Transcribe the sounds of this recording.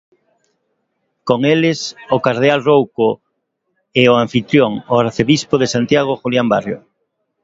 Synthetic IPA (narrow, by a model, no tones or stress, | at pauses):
koŋelɪsokaɾð̞ealrowko | eoaɱfit̪ɾjoŋoaɾθeβispoðesant̪jaɣ̞oxuljamba̰rjo̰